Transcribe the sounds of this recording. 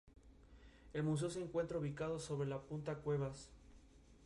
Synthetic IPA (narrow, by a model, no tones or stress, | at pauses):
e̞lmus̬e̞os̬eːŋkwe̞nt̪ɾauβikað̞o̞so̞βɾe̞lapunt̪akwe̞βas